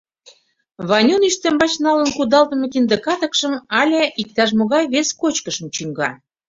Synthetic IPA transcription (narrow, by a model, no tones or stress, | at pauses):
βɑnʲuniʃt̪ə̆mbɑt͡ɕnɑlənkud̪ɑlt̪ə̆mɤ̆kind̪ə̆kɑt̪əkʃə̆mɑlʲeik̚t̪ɑʃ̬moɣɑjβeskot͡ɕkəʃə̆mt͡ɕyŋɡɑ